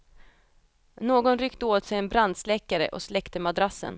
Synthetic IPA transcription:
noːɡɔnɾʏkt̪əoːt̪sɛjɛnbɾand̪slɛkːaɾə̰ʔɔ̰slɛkt̪əmad̪ɾasːə̰n

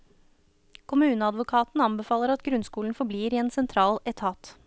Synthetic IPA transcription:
kʰʊmʉːnəɑd̪ʋʊkʰɑːt̪n̩ɑnbɛfɑːləɾɑt̪ɡɾʉnskuːln̩fɔbliːɾiːeːnsɛnt̪ʰɾɑːlɛt̪ʰɑːt̪

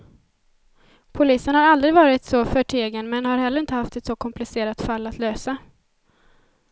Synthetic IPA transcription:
pʰʊliːsənhaɾald̪ɾɪɡvɑːɾɪt̪sɔfœʈʰeːɡənmɛnhaɾɦɛlːəɾɪnt̪əhaft̪ɛt̪sɔkʰɔmplɪseːɾat̪falːat̪ʰløːsa

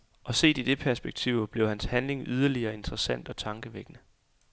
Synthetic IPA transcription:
ʔɒ̽se̝̰ːd̥id̥e̝pʰæɐsb̥eɡ̥̚t͡sʰiʊ̰b̥le̝ʊhænshænle̝ŋyð̞ˠɐliɐːe̝nd̥ʁɐsæn̰d̥ɒ̽t͡sʰɑ̈ŋɡ̥əʋeɡ̥nə

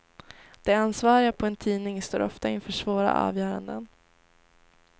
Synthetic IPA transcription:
d̪̥ɛansvɑːɾɪɡapʰɔɛnt̪ʰiːnɪŋst̪o̰ːɾʔɔft̪aɪnfœːʂvoːɾa̰ʔɑ̰ːvjœːɾa̰nd̪ən

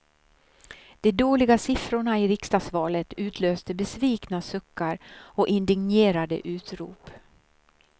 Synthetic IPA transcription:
d̪̥ɛd̪oːlɪɡasɪfɾʊɳaɪɾɪkst̪asvɑːlət̪ʉ̟ːt̪ʰløːst̪əbɛsviːknasɵkːaɾɔʔɪnd̪ɪŋnjeːɾad̪ə̰ʔʉ̟ːt̪ɾṵːp

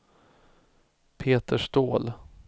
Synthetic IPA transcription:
pʰeːt̪əʂt̪oːl

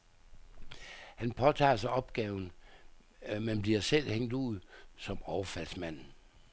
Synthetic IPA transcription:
hænpʰɒ̽t͡sʰɑ̰̈ːsɑ̈ɪʔɒ̽b̥̚ɡ̥ɛːʊn̩ | mænb̥liɐsel̰heŋ̰d̥uð̩̰ˠsɒ̽mɒʊɐfæl̰smæn̰

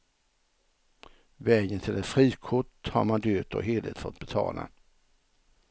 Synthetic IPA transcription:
vɛːjənt̪ʰɪlɛt̪fɾiːkʰʊʈha̰ɾmand̪øːt̪ɔ̰ɦeːlɪ̰t̪fɔ̰t̪̚ːbɛt̪ʰɑ̰ːlʔa̰

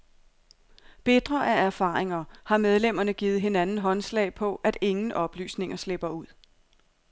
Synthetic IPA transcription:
b̥e̝d̥ʁɐʔææɐfɑ̈ːeŋɐhɑ̈með̞ˠlem̰ɐnəɡ̥iːð̞̩ˠɦe̝nænn̩ɦɒ̽nslɛ̰ɪpʰɒ̽ʔæd̥e̝ŋn̩ʔɒ̽b̥ly̰ːsne̝ŋɐsle̝b̥ɐuð̞̰ˠ

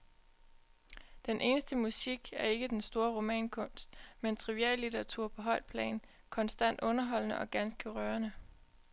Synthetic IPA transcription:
d̥enʔe̝ːnəsd̥əmusiɡ̥æɐe̝ɡ̥əd̥ensd̥o̝ːɐʁo̝mɛ̰ːnkʰɔ̽n̰sd̥ment͡sʰʁiʋiæ̰ɐlit͡seɑ̈t͡sʰuɐ̰pʰɒ̽ɦɒ̽ɪ̰d̥̚pʰlɛ̰ːn | kʰɒ̽nsd̥æn̰d̥ɔ̽nɐɦɒ̽l̰nəʔɒ̽ɡ̥ænsɡ̥əʁɶːɐnə

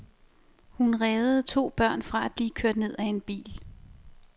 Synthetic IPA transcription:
hunʁɛːð̩ˠt͡sʰo̝̰ːb̥ɶɐ̰nfʁɑ̈æd̥̚b̥liːkʰøɐ̰d̥ne̝ð̞̰ˠæe̝nb̥ḭːl

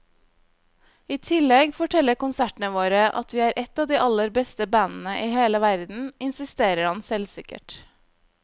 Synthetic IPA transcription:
iːt̪ʰɪlɛɡfɔʈʰɛləɾkʊnsæʈɳ̩əʋoːɾəʔɑ̰t̪ʋiːæːɾʔɛt̪ɑːʋd̪iːʔɑləɾbɛst̪əbænn̩əʔiːheːləʋæɾd̪n̩ɪnsɪst̪eːɾəɾhɑnsɛlsɪkə̰ʈ

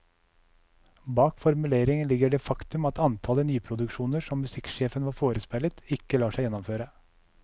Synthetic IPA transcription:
bɑːkfɔɾmʉleːɾɪŋənlɪɡəɖɛːfɑkt̪ʉmɑt̪ʰɑnt̪ʰɑlənyːpʰɾʊd̪ʉkʃuːnəʂɔmːʉsɪkʃeːfənʋɑːɾfoːɾəspɛlət̪ɪkːəlɑːʂæɪjɛnːɔmføːɾə

